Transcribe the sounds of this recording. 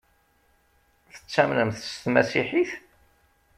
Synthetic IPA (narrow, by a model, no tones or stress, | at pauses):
θə̥t͡sːæmnəmθst̪mæsiħiθ